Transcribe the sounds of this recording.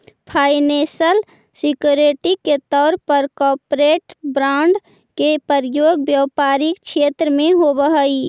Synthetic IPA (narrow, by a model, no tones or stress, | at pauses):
pʰaːɪnẽsəl | sikjuɾeʈiket̪ɔːɾpəɾkɔːpɾeːʈbɾaʊɳɖ | kepəɾjoːɡbjəwpaːɾikt͡ʃʰeːt̪ɾəmẽɦobəɦəi